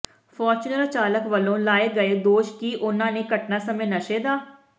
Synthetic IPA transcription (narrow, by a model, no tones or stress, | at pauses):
fʰɔːɾt͡ʃunəlt͡ʃaːləkʋəlõːlaːeːɡəeːd̪oːʃkiːʔʊnãːneːkəʈnaːsəmẽːnəʃeːd̪aː